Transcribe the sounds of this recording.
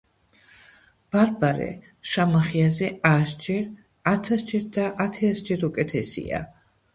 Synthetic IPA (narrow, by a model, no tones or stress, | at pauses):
b̥aɾbaɾɛ̰ | ʃamaχiazɛasd͡ʒɛɾ | at̪sʰasd͡ʒɛɾ̚d̪aʔat̪ʰɛasd͡ʒɛɾukʼɛt̪ʰɛsḭa̰